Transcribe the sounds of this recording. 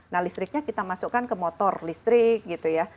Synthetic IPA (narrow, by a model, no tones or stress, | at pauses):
nahlist̪ɾɪk̚ɲakit̪amasukːankəmɔt̪ɔrlist̪ɾɪk̚ɡit̪uja